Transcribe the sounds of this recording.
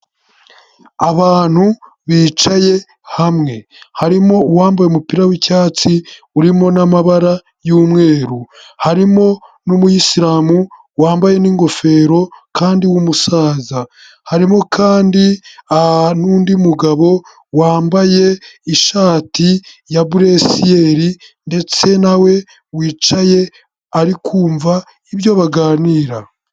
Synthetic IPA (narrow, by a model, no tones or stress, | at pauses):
aβaːn̥hu | βiːt͡ʃaje̞ | hamŋe̞ | haɾimo̞uwaːmbajemupiɾawicaːt͡si | uɾimo̞namaβaɾa | juːmŋe̞ːɾuhaɾimo̞numujisiɾaːmu | waːmbaje̞niːŋɡo̞fe̞ːɾo̞kʰaːndiwumusaːza | haɾimo̞kʰaːndianuːndimuɡaβo̞ | waːmbaje̞iʃaːtijabuɾe̞sije̞ɾinde̞t͡se̞nawe̞ | wiːt͡ʃaje̞ | aɾikʰuːɱva | iβjo̞βaɡaːniːɾa